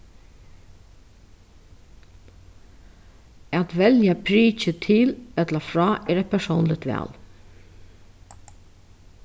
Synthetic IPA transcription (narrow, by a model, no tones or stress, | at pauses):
æt̪ʋɛljapʰɾiːt͡ʃət̪ʰɪlɛt̪ləfɹɑːʔɛːɾæɪt̪̚pʰɛsownlɪt̪ʋæ̰ːl